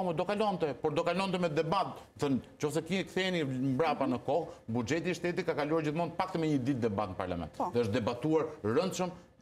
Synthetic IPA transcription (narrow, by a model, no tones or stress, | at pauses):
mɛd̪ɔkalɔnt̪ɛpɔɾd̪ɔkalɔnt̪ɛmɛd̪ɛbat̪əθənt͡ɕɔfsɛkikθɛnimbɾapanəkɔhbud͡ʒɛt̪̬iːʃt̪ɛt̪̬ikakaluaɾd͡ʑiθmund̪̚pak̚t̪ɛmɛɲəd̪it̪̚d̪ɛbat̪nəpa̰ɾla̰mɛ̰nt̪ðɛəʃt̪̚d̪ɛbat̪uaɾɾənt̪ʃəm